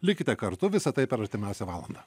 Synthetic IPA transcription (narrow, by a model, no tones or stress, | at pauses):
lʲɪkʲɪt̪ʲɛkɐɾt̪ʊʋʲɪsɐt̪ɐɪpʲɛɾɐɾʲt̪ʲɪmʲæˑʊsʲɛʋɑːlˠɐ̰nd̪ɑː